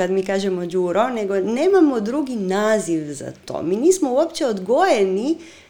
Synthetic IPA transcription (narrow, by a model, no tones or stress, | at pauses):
ad̪mikaːʒɛmɔd͡ʒuːɾoneɡoneːmamɔd̪ɾuɡinaːziʋza̰t̪o̰miniːsmouopt͡ʃɛod̪ɡojɛni